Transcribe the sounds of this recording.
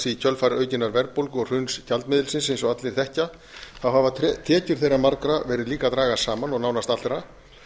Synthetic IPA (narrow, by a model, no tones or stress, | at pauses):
sicʰœlfajɾʔœːɥcɪnːaɾvɛɾpowlkɔɣr̥ʏɥnscʰalt̪mɪðɪlsɪns̬ejnsɔɣat̪lɪɾ̥θɛhca | θawɦhavat̪ʰɛːcʏɾ̥θejɾamaɾkɾavɛːɾɪðliːkat̪ɾaːɣasaːmanɔɣnaːwnast̪at̪ɛɾa